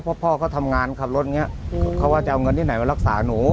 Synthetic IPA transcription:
pʰɔ˦˧˥pʰɔː˥˩kʰa˨˥˩wt̪ʰa˧mŋaː˧nkʰa˧˩p̚lo˦˥t̪̚ŋi˦˥ɐ˩kʰa˦˩waː˥˩t͡ɕa˨˩ʔa˧wŋɤ˧nt̪ʰiː˥˩na˩˦ma˧nɾa˧˥k̚saː˩˦nuː˩˦

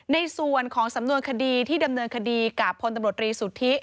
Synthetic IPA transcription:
na˧jsu˨˩ənkʰɔː˩˦ŋsa˩˦mnu˧ənkʰa˧diː˧t̪ʰiː˥˩da˧mnɤː˧nkʰa˧diː˧kaː˨˩pʰːo˧nt̪a˧mɾu˨˩ə˩t̪ːɾiː˧suː˩˦t̪ʰi˦˥ʔ

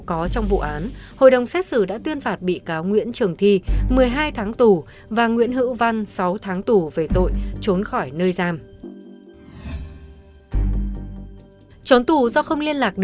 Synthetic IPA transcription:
kɔ˨˦t͡ɕɔ˧wŋ͡mvṵ˧˨ʔaː˨˦nho̰˧˨jɗə˨˩wŋ͡msɛ˦˥t̚sɨ˧˩ɗa̰ː˧˥t̪wi˧ənfaː˨˩t̚ɓḭ˧˨kaː˨˦wŋwḭ˧˥ənt͡ɕɨ˨˩əŋt̪ʰi˧˨mɨ˨˩əjɦaː˧jt̪ʰaː˨˦ŋt̪u˨˩ | vaː˨˩ŋwḭ˧˥ənhɨ̰˧˥wva˧nsa˨˦wt̪ʰaː˨˦ŋt̪u˨˩ve˨˩t̪o̰˧˨jt͡ɕo˨˦nxɔ˧˩jnəː˧jzaː˧m | t͡ɕo˨˦nt̪u˧˩zɔ˧xə˧wŋ͡mli˧ənlaː˨˩k̚ɗ

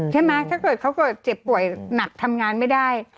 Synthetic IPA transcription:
t͡ɕʰa˥˩jma˦˥t̪ʰaː˥˩kɤː˨˩t̪̚kʰwkɔː˥˩t͡ɕe˨˩pːu˨˩əjna˨˩k̚t̪ʰa˧mŋaː˧nma˥˩jdaː˥˩j

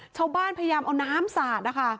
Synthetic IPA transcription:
t͡ɕʰaː˥˩wbaː˥˩npʰa˧ja˧jaː˧mʔa˧wnaː˦˥msaː˨˩t̪̚na˦˩kʰa˥˩

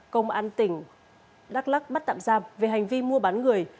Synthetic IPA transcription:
kə˧wŋ͡mʔaː˧nt̪ï˧˩ŋ̟ | ɗaː˦˥k̚la˦˥k̚ɓa˦˥t̚t̪a̰ː˧˨mzaː˧mve˨˩ɦa˨˩jŋ̟vi˧mu˧əɓaː˨˦nŋɨ˨˩əj

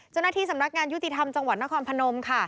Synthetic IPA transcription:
t͡ɕa˥˩wna˧t̪ʰiː˧sa˩˦mna˦˥k̚ŋaː˧nju˦˥t̪i˨˩t̪ʰa˧mt͡ɕa˧ŋwa˨˩t̪̚na˦˥kʰɔː˧npʰa˧no˧mkʰa˥˩

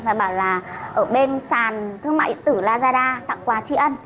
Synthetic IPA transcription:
laː˨˩ɓaː˧˩wlaː˨˩ʔəː˧˩ɓe˧nsaː˨˩nt̪ʰɨ˧əŋma̰ː˧˨t̪ɨ˧˩laː˧zaː˧ɗaː˧t̪a̰˧˨ŋkwaː˨˦t͡ɕi˨˦ʔə˧n

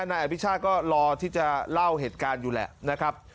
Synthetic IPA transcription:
naː˧jʔa˧wi˦˥t͡ɕʰaː˥˩t̪̚kɔː˥˩ɾɔː˧t̪ʰiː˥˩t͡ɕa˨˩la˥˩wɦeː˨˩t̪̚kaː˧njuː˨˩lɛ̰˨˩na˦˥kʰɾa˦˥p̚

